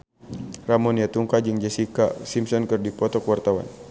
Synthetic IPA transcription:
ramɔniat̪uŋkad͡ʒɨŋd͡ʒɛsikasimsɔnkɨrdipɔt̪ɔkwart̪awa̰n

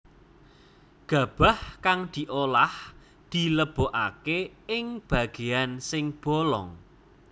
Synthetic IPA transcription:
ɡ̥a̤b̥a̤hkaŋd̪̥i̤ʔolah | d̪̥i̤ləb̥o̤ʔakeɪŋb̥a̤ɡ̥e̤ansɪŋb̥ɔlɔ̰ŋ

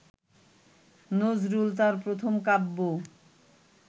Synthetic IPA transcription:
nod͡ʑɾult̪̬aɾpɾot̪ʰomkabːo

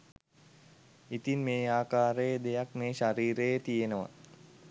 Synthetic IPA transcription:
it̪inmeːaːkaːɾəjəd̪ejakmeːʃaɾiːɾəjet̪ijenəʋa̰

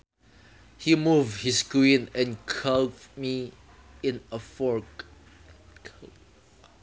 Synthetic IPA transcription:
himuvhiskɹĩnɛ̃nkʰalmi | ɪ̃nəfɔɹk | kʰ

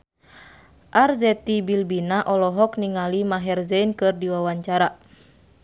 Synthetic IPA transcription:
ʔarzɛt̪ibilbinaʔɔlɔɦɔkniŋalimaɦɛrzɛnkɨrdiwawaɲt͡ʃaɾa

